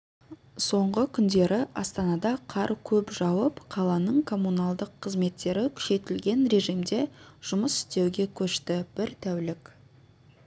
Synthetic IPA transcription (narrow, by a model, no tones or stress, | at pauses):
so̞ɴʁəkʲʰʏnd̪e̞ɾɪʔɑst̪ɑnɑd̪ɑqʰɑɾkʲʰɵpʒ̥ɑwəpqʰɑlˠɑnəɴkʰo̞mːunɑlˠd̪əqʰːəzme̞t̪ːe̞ɾɪkʲʰʏ̥ʃe̞t̪ɪlɡʲe̞nɾe̞ʒijmd̪e̞ʒ̥ʊməsɪ̥st̪e̞wɡʲe̞kʲʰɵʃt̪ɪb̥ɪɾt̪ʰæwlɪk